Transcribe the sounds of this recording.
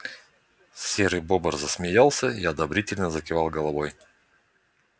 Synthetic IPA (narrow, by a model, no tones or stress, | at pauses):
sʲeɾɨbobərzəsmʲɪjalˠsʲəiɐd̪ɐbɾʲitʲɪlʲnəzəkʲɪvalˠɡɐlˠɐvoj